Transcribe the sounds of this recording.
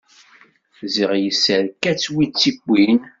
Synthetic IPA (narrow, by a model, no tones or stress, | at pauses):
ziʁjəsːəɾkːæt͡sːwit͡sːikʷːin